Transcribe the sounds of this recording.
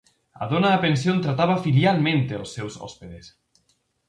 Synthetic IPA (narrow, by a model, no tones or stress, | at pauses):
a̰ðonaːpensjont̪ɾat̪aβafiljialmẽnt̪eao̰sːewsɔ̰speðes